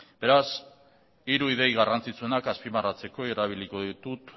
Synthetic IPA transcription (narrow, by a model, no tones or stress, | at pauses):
be̞ɾas | iɾuiðe̞jɣarant͡sit͡sue̞nakaspimarat͡se̞ko̞ieɾaβ̞iliko̞ðit̪ut̪